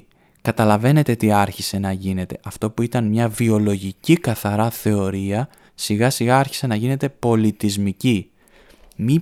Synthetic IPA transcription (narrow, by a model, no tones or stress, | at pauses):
kɐt̪ɐlɐve̞ne̞t̪e̞t̪iɐɾçise̞nɐʝine̞t̪e̞ʔɐft̪o̞puit̪ɐnmɲɐvio̞lo̞ʝicikɐθɐɾɐθe̞o̞ɾiɐ | siɣɐsiɣɐɐɾçi̥se̞nɐʝine̞t̪e̞po̞lit̪izmici | mi